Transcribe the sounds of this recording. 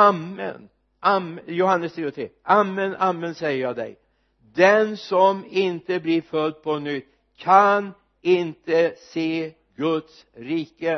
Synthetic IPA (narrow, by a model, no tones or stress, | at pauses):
amːə̰n | amjʊɦanːəst̪ʰɾeːɔt̪ʰɾeːʔamːənamːənsɛjəɾjɑːd̪ɛ̰j | d̪ɛnsɔmɪnt̪əblɪɾfœld̪̚pʰɔnʏt̪ː | kʰan | ɪnt̪əseː | ɡɵt̪s | ɾiːkə